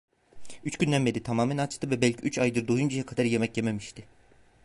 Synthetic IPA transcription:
yt͡ʃɟynlʲænbed̪it̪ʰamaːmænat͡ʃt̪ʰɯvɛbɛlʲcʰiyt͡ʃajd̪ɯɾd̪ojund͡ʒajakʰad̪aɾje̞mɛcjememiʃt̪ʰɪ

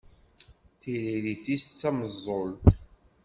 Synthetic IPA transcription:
θiɾiɾiθist͡sːæməzˤːolt̪

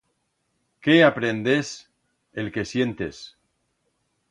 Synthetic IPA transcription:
keapɾend̪es | elke̞sje̞nt̪e̞̰s

